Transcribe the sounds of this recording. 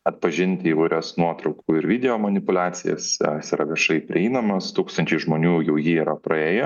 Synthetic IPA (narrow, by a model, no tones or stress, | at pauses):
ɐt̪̚pɐʒʲɪnʲt̪ʲɪiːʋɐɪɾʲɛsnuɔt̪ɾɐʊkuːɪɾʋʲid̪ʲɛjoːmɐnʲɪpʊlʲæːt̪sʲɪjɛ̰sjsiːɾɐʋʲiɛʃɐɪpʲɾʲɪ̰ɛɪnɐmɐst̪uːkst̪ɐnʲt͡ʃʲɛɪʒmoːnʲuːjɛʊjiːiːɾɐpɾɐeːjɛ